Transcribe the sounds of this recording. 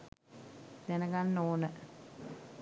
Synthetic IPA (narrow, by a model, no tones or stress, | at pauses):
d̪ænəɡanːoːnə